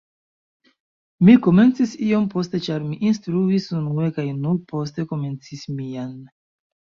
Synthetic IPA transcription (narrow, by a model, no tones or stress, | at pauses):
miko̞me̞nt͡sisijo̞mpo̞ste̞t͡ʃaɾmiʔinstɾuisunue̞kajnupo̞ste̞ko̞me̞nt͡sismijan